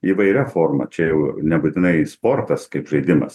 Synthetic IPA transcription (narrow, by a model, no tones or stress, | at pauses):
iːʋɐɪɾʲɛfoːrmɐ̰t͡ʃʲɛjɛʊnʲɛbut̪ʲɪnɐɪspoːrt̪ɐskɐɪpʒɐɪd̪ʲɪmɐ̰s